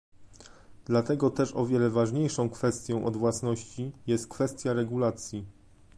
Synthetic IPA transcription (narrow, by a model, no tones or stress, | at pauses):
d̪lat̪ɛɡɔt̪ɛʂɔvʲjɛlɛvaʐɲejʂɔ̃w̃kfɛst̪ʲjɔ̃w̃ʔɔd̪vwasnɔɕt͡ɕijɛst̪̚kfɛst̪ʲjaɾɛɡulat̪sʲji